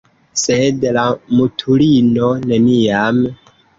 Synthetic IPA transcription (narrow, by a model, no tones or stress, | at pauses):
sedlamutʰulinoneniam